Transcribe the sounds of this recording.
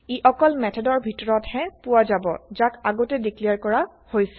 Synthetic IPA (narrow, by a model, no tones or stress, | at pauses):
iʔɔkɔlmɛtʰɔdɔɹbʱitɔɹɔthɛ̃puwazabɔ̰zakaɡotɛdiklijaɹkɔɹa | hojsɛ